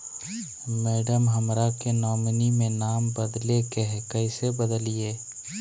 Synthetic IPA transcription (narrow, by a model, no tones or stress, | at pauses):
mɛːɖəmɦəmɾakenɔːmnimẽnaːmbəd̪lekeɦkɐɪsebəd̪əlieː